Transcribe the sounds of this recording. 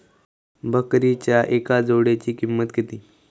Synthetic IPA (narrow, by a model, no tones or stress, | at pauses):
bʱəkɾit͡ɕjaʔekad͡zoɽet͡ɕiːkimːət̪ɡet̪iː